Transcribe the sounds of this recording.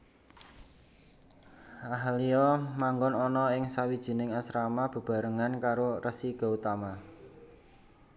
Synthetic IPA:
aɦliɔmaŋɡʊnɔnɔɪŋsawid̥ʒ̥i̤nɪŋasɾamab̥ə̤b̥a̤ɾəŋankaɾorəsiɡ̥ɔ̤ut̪ama

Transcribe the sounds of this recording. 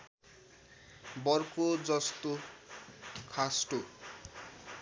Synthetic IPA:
bʌrkod͡zʌst̪o | kʰasʈo

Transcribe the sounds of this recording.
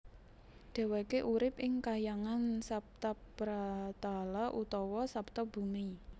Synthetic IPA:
ɖ̥ɛ̤wekeʔuɾɪp̚ʔɪŋkajaŋansap̚t̪apb̥ɾat̪alaʔut̪ɔwɔsap̚t̪ɔb̥ṳmi

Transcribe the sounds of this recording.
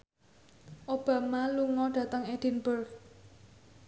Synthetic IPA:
ʔob̥a̤maluŋɔɖ̥ä̤t̪əŋed̥i̤nbərk

